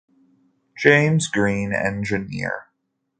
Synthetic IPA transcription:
d̥ʒ̥ẽɪ̃mzɡɹĩnɛ̰̃nd͡ʒɨnɪ̰ɹ

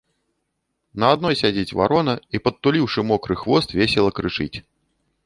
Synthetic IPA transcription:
nɐad̪̚nɔjsʲad͡zʲit͡sʲva̰ɾɔnɐipɐt̪ːulʲiwʂɨmɔkɾɨxvɔst̪vʲesʲɛlˠɐkɾɨt͡ʂɨt͡sʲ

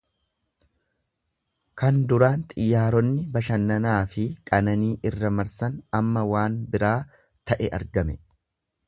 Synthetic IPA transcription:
kɐnd̪ʊɾaːnt̪ʼɪjːaːɾɔnːɪbɐʃɐnːɐnaːfɪkʼɐnɐniːʔɪrːɐmɐɾsɐnɐmːɐwaːnbɪɾaː | t̪ɐʔɛʔɐ̰ɾɡɐmɛ

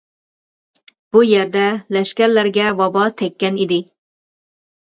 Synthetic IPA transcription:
b̥ujeɾd̪ɛlɛʃkʲæɾlæɾɡʲɛvɑbɑt̪ʰɛkʲːɛnid̪ɪ

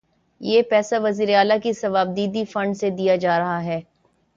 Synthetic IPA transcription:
jeːpɛːsaʋɐziːɾeaːlakisɐʋaːb̚d̪iːd̪ifɐ̃ɳɖsed̪ijad͡ʒaːɾɐɦaɦɛː

